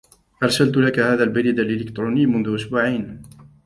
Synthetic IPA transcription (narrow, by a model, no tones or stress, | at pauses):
ʔɑɾˤsalt̪ʊlakahaːðaːlbaɾiːd̪alʔɪlɪkt̪ɾˤuːnɪjːmʊnðʊʔʊsbuːʕiːn